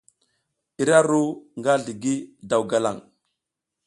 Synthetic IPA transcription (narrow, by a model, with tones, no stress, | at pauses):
i˨ɾa˦ɾu˦ŋɡa˦ɮi˨ɡi˦da˨wɡa˨la̰˦˨ŋ